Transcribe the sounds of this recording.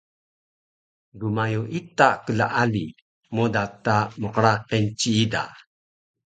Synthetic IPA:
dumajuʔit̪akəla̰ʔali | modatamuqəɾaqent͡ɕiːda̰

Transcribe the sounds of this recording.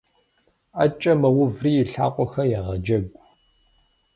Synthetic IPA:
ɐ̰t͡ʃʼɐmɐwʊvriːjɪɬa̰ːqʷʼɔxɐjɛʁɐd͡ʒɐɡʷ

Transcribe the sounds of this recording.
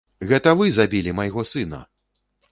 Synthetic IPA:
ɣɛt̪ɐvɨzabʲilʲimɐjɣɔsɨnɐ̰

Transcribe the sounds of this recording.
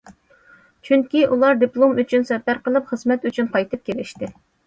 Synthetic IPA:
t͡ʃʰyŋkʲiʔulˠɑɾd̪iplˠomyt͡ʃʰynsɛpæɾqəlˠɨpχəzmɛt̪yt͡ʃʰynqʰɑjt̪ʰɨp̚kʲelɪʃt̪ɪ

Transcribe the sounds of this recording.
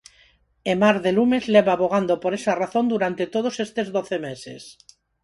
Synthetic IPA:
emaɾðelumezleβaːβoɣ̞and̪opoɾesaraθond̪uɾant̪et̪oð̞osest̪ezðoθemesḛs

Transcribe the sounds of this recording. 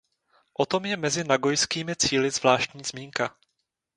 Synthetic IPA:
ʔot̪o̞mjɛmɛzɪnaɡo̞jskiːmɪt͡siːlɪzvlaːʃt̪ɲiːz̥miːŋka

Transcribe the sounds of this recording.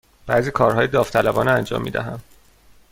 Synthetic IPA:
b̥æːziːkʰɒːɾɦɒːjed̪ɒːft̪ʰælæbɒːneænd͡ʒɒ̰ːmːiːd̪æ̰ɦæm

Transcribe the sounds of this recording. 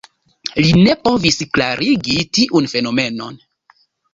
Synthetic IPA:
line̞po̞visklaɾiɡitiʔunfe̞no̞me̞no̞̰n

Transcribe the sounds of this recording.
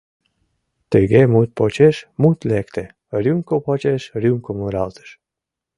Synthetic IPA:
t̪əjɡɛmut̪̚pɔt͡ɕɛʃmut̪lɛkt̪ɛ | ɾjuŋkopɔt͡ʃɛʃɾjuŋkɔmuɾalt̪ə̥ʃ

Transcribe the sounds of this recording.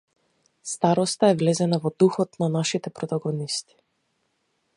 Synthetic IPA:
st̪aɾɔst̪aɛvlɛzɛnavɔd̪uxɔt̪nanaʃit̪ɛpɾɔt̪aɡɔnist̪i̥

